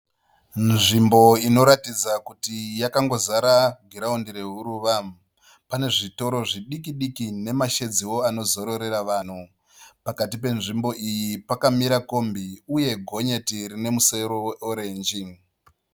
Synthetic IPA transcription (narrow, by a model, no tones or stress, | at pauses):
nʐimbo̞ino̞ɾatid͡zakutijakaŋɡo̞zaɾaɡʱiɾaundiɾe̞ɦuɾuːʋa | pane̞ʐito̞ɾoʐiɗikiɗikine̞maʃe̞d͡ziwo̞ano̞zo̞ɾo̞ɾe̞ɾaʋaːn̤u | pakatipe̞nʐimbo̞ʔijipakamiɾako̞mbiuje̞ɡʱo̞ɲe̞tirine̞museɾoweoɾe̞ːnd͡ʒi